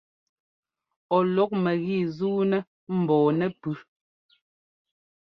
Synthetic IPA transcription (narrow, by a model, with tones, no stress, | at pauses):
ɔ˨lɔ˨˦k̚mɛ˨ɣi˦˨zuː˦nɛ˦ | m̩˨bɔː˨nɛ˦pʉ˦